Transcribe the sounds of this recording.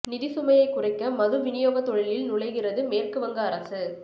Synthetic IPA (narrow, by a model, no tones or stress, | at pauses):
nɪðɪsʊmɐjɐɪkːʊrɐɪkːɐmɐðɯʋɪnɪjoːɣɐt̪ːɔɻɪlɪlnʊɭɐɪɣɪrɐðɯmeːrkɯʋɐŋɡɐːɾɐsɯ